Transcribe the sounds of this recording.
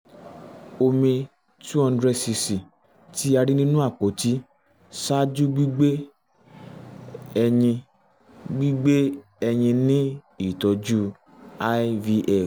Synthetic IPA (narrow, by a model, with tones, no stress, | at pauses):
o˧mĩ˧ | tu˦ɔ̃˧˦dɾɛ˧si˧si˨ | ti˦a˧ɾi˦nĩ˦nũ˦a˦˨k͡po˨˦ti˦ | sa˦d͡ʒu˦ɡ͡bi˦ɡ͡be˦ | ɛ˧ɲĩ˧ | ɡ͡bi˦ɡ͡be˦ | ɛ˧ɲĩ˧nĩ˦ | i˦˨tɔ˨˧d͡ʒu˦ | a˧vi˧ʔɛ˦˨